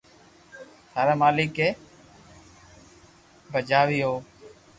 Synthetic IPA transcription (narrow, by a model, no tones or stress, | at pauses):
t̪ʰaːɾaːmaːliːkeː | bʱəd͡ʒaːʋiːɦoː